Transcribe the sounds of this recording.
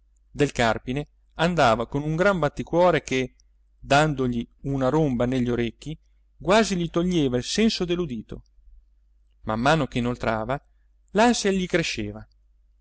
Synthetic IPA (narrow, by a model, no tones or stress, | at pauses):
d̪elkarpine | and̪aːvakonuŋɡɾambat̪ːikwɔːɾeke | d̪and̪oʎiunaɾombaneʎːioɾekːi | ɡwaːziʎit̪oʎːeːvailsɛnsod̪elːud̪iːt̪o̰ | mamːaːnokeinolt̪ɾaːva | lasaeʎːikɾeʃːeːva